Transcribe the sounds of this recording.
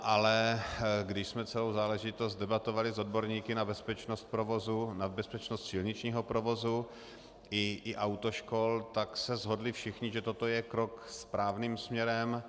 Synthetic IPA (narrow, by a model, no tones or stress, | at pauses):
ʔalɛɡdɪʃsmɛt͡sɛlowzaːlɛʒɪt̪o̞st̪̚dɛbat̪o̞valɪzo̞dbo̞ɾɲiːkɪnabɛspɛt͡ʃnost̪̚pɾovozunabɛspɛt͡ʃnost̪sɪlɲɪt͡ʃɲiːɦo̞pɾovo̞zu | ɪʔɪʔawt̪oʃko̞lt̪aksɛzɦo̞dlɪfʃɪxɲɪʒɛt̪ot̪o̞jɛkɾokspɾaːvniːmsmɲɛɾɛm